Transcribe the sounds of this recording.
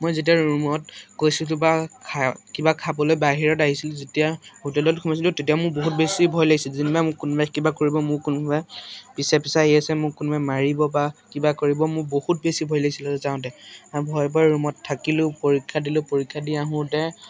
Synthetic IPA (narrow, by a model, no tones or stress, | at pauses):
mojzet̬iaɹumɔtkojsʊt̬ʊbakʰakibakʰabɔlojbaɦiɹɔtaɦisilʊzetijahutɛlɔtkʰumɔsiltʊtet̬ijamʊɹboɦut̚besibʱɔjlaɡisilzinibamʊkunbakibakoɹibɔmʊkunbʱababisɛpisaɦiasɛmʊkːunbʱamaɹibɔbakibakoɹibɔmʊbohut̚besibʱɔjlaɡisilɛzaʊ̃t̬ɛbʱɔjbaɹumɔtʰːakilʊpoɹikʰːadilʊ̃poɹikʰːadiaɦʊ̃dɛ